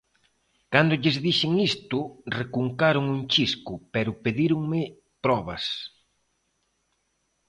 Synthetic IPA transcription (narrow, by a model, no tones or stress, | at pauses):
kand̪ʊʎɪzðiʃɪŋist̪ʊrekuŋkaɾʊŋuŋt͡ʃiskʊpɛɾʊpeðiɾʊŋmɪ | pɾɔβ̞ɐ̰s